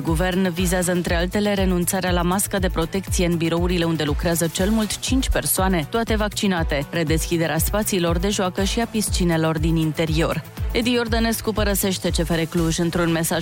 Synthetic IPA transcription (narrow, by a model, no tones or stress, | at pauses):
ɡuve̞rnvizeazəɨnt̪ɾe̞alt̪e̞le̞ɾe̞nunt̪saɾealamaskad̪e̞pɾo̞t̪e̞k̚t̪sijeɨnbiɾo̞uɾile̞und̪e̞lukɾeazət͡ʃe̞lmult̪t͡ʃint͡ʃʲpe̞rsoane̞t̪oat̪e̞vakt͡ʃinat̪e̞re̞d̪e̞skʲid̪e̞ɾeaspat̪siːlo̞rd̪e̞ʒoakəʃiapist͡ʃine̞lo̞rd̪inint̪e̞ɾio̞red̪ijo̞rd̪ane̞skupəɾəse̞ʃt̪e̞t͡ʃe̞feɾe̞kluʒɨnt̪ɾunme̞saʒ